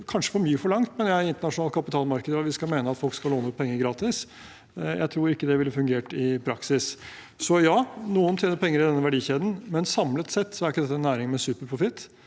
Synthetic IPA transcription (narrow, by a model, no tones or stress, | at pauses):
kʰɑnʂə̥fɔɾmyːəfɔɭɑŋt̪mɛnjæɪnt̪əɳɑʂʊnɑːlkʰɑpɪt̪ʰɑːlmɑɾkəd̪əɾɑʋɪskɑlmeːnəɑt̪fɔlkskɑloːnəʉt̪̚pʰɛŋːəɾɡɾɑːt̪ɪs | jæ̰ɪt̪ʰɾuːɾɪkːəd̪ɛʋɪlːəfʉŋɡeːʈɪpʰɾɑksɪs | sɔjɑːnuːənt̪ʰjeːnəɾpʰɛŋːəɾɪd̪ɛnːəʋæɖiːçeːd̪ən̩mɛnsɑmlət̪sɛt̪ːsɔæɾɪkːəd̪ɛt̪ːəɛnːæːɾɪŋmɛsʉːpəɾpʰɾʊfɪt̪ː